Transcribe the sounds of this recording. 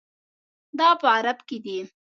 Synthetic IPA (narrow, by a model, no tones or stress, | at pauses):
d̪ɑpəaɾabked̪i